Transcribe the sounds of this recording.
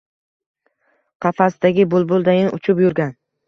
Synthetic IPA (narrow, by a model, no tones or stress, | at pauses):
qʰɑfasd̪aɡʲɪbʊlˠbʊlˠd̪ajɪnʊt͡ʃʰʊpjʊɾɡʲan